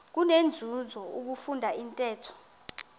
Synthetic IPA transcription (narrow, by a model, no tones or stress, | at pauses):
k̬unend͡zʱuzʱɔuk̬ufundʱaintʼɛːtʰɔ̥